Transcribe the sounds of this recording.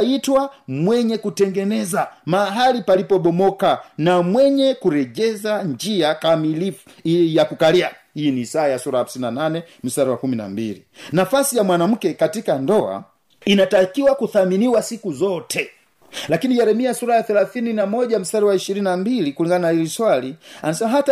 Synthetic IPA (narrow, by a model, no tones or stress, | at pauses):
itwamwɛɲɛkutɛŋɡɛnɛzamaɦalipalipɔɓɔmɔkanamwɛɲɛkuɾɛʄɛzaɲd͡ʒiakamilifu̥ | jakukaliahiinisaːjasuɾaham̩sininananɛm̩staɾawakumina̰mbilḭ | nafasijamwanam̩kɛkatikandɔa̰ | inatakiwakuθaminiwasikuzɔtʰɛ | lakiniʄɛɾɛmiasuɾajaθɛlaθininamɔʄam̩staɾiwaiʃiɾininambilikuliŋɡananahiliswalianasɛmaɦata